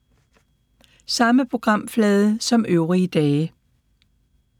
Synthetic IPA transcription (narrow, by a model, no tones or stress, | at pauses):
sɑ̈məpʰo̝ɡ̥ʁɑ̈m̰flɛːð̞ˠəsɒ̽møʊʁiəd̥ɛː